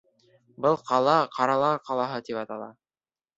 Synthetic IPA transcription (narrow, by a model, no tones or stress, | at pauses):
bɤlˠqɑlˠɑqɑɾɑlˠɑqɑlˠɑɦɤt̪ipɑt̪ɑlˠɑ̰